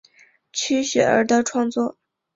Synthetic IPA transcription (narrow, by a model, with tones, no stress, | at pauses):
t͡ɕʰy˥ɕɥɛ˨˩ə̰˞˧˥d̪ə˧ʈ͡ʂʰwɑ˥˧ŋt͡swɔ˥˩